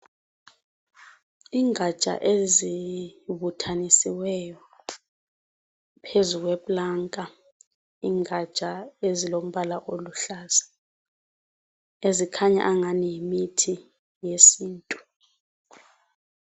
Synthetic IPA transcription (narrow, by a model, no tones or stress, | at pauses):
iŋʱḁt͡ʃʼa̰ʔeziβutʰanisiwɛjɔ | pʰezuk̬weɓlaŋkʼa | iːŋʱḁt͡ʃʼaezilom̩ɓalaʔoluɬaːz̥a | ezikʰaɲa̰ʔaŋanijimitʰi | jesiːntʼu̥